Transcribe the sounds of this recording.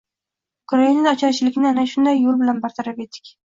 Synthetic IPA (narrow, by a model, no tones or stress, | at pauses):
kʰʊɾainɪɒt͡ʃʰaɾt͡ʃʰɪlɪkʲnɪanaʃʊnd̪ajːolˠbɪlanbaɾt̪ʰaɾape̞t̪ʰːɪ̥kʲ